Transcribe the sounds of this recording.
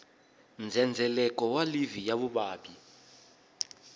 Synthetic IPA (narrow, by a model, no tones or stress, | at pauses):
nd͡zʱɛnd͡zʱɛlɛkʼɔwalivijaɓuɓaːɓi